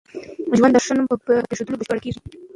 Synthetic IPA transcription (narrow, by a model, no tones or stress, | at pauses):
d͡ʒwand̪aɾʂanumpəpeʂad̪ulobəɕpəɽkeʐi